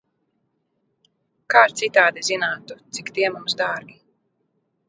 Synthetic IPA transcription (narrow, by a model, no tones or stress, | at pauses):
kaːɾt̪sit̪aːd̪izinaːt̪ut̪sikt̪iɛmumsd̪aːɾɡʲi